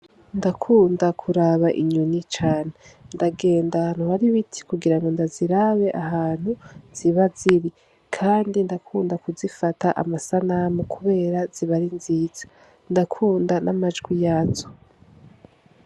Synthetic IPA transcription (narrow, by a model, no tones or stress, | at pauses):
ndakʰuːndakʰuɾaβaʔḭɲunit͡ʃaːnendaɡe̞ːndan̥uhaɾiβitʰi̥kuɡiɾaŋɡo̞ndaziɾaβe̞ʔaɦaːn̥huz̥iβaziɾi | kʰaːndindakʰuːndakuzifataʔa̰masanamukʰuβe̞ːɾaz̥iβaɾinziːz̥ḁ | ndakʰuːndanamad͡ʒɡwijazo